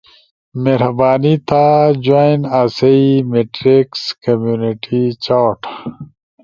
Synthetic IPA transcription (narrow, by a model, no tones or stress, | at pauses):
meɾɐbaːnit̪ad͡ʑojnaːseimeʈɾekskɐmjuːniʈit͡ɕaːʈ